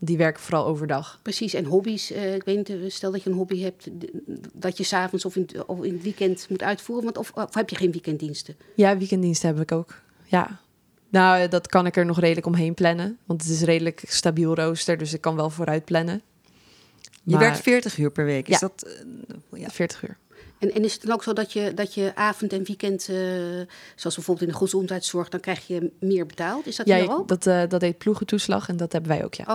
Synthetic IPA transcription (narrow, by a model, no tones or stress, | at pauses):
ndiʋɛɹkəvoːɾɑlˠowvəɹdɑχprəsisɛnɦɔbisɪkʋeːtnitstɛlˠdɑtjəənɦɔbiɦɛp̚t | dɑtjəsaːvɔnsɔfɪnɔɪnətʋikɛntmutœɥtfuːrənʋɑntɔfɦɛpjəχeːnʋikɛnt̚dinstə | jaʋikɛndinstəɦɛbəʋɪkowk | ja̰ | nowdɑtkɑnɪkəɹnɔχrejdələkɔmɦejnplɛnəʋɑnt̬ətɪs̬rejdələkstabilˠrowstəɹdɵs̬ɪkːɑnʋɛlˠvoːɾœɥt̚plɛnə | jəmaʋɛɹttfɪːɹtəχyːɹpɛɹʋejkɪadt | fɪːɹtə̥χy̰ːɹ | ɛnɛnɪsədnowksowdɑtjədɑtjəʔaːvəntɛnʋikɛnt | soɑlˠzbɛvoːbɪlˠtɪndəχəzɔntɦɛjtsɔɹχtdɑnkrɛjχjəmɪːɹbətaːlˠtɪsdjadtdɑtɦejt̚pluχətuslɑ̰χɛndɑtɦɛbəʋɛ̰jo̰wkja̰